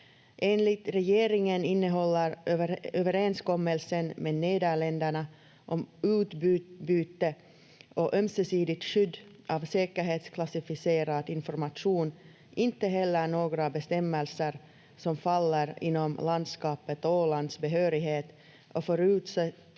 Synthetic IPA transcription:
ʔeːnlɪt̪ɾɛjeːɾɪŋənɪnːəɦɔlːəɾøːvəɾɛnskɔmːəlsənmeːd̪neːd̪æɭɛnd̪æɳa | ʔɔmʉ̟ːt̪bybyːt̪ə | ɔʔœmsɛsiːd̪ɪt̪ʂʏd̪ːʔɑvseːkəɾɦeːt̪skʰlasɪfɪseːɾad̪ɪnfɔɾmaʂuːn | ɪnt̪ːəɦɛlːəɳoːɡɾabɛst̪ɛmːəlsəɾ | sɔmfalːəɾɪ̰nːɔmland̪skɑːpət̪ɔoːland̪sbɛɦøːɾɪɦeːt̪ | ɔfœɾʉ̟ːt̪sɛ

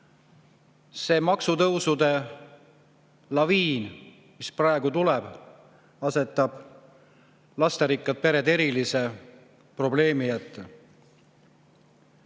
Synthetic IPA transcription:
se̞ːmɑksut̪ɤwsud̪e̞ | lɑviːn | misprɑeɡ̥ut̪ulɛb̥ | ɑse̞t̪ːˑɑb̥ | lɑst̪eɾikːˑɑd̪̥̚pe̞ɾe̞d̪e̞ɾilise̞ | pro̞ble̞ːmijæt̪ːe

